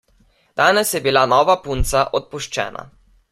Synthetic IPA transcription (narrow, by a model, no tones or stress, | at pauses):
d̪̥aːnɛsjɛbilanɔːʋapunt̪saʔɔt̪̚puʃt͡ʃɛ̰ːna̰